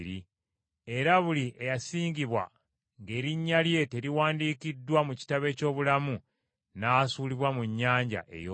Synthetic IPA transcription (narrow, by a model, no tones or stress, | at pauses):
ɾi | e̞ɾaβuliʔejasiːɲɟiβwa̰ | ŋɡe̞ːɾiɲːalje̞te̞ɾiwaːndiːkidːwamuci̥taβe̞ːco̞ːβulamu | nasuːliβwamuɲːaːɲɟa̰ʔe̞̰jo